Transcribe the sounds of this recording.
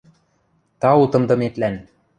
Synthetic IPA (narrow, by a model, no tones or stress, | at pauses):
t̪ɑut̪ɤ̆md̪ɤ̆met̪læn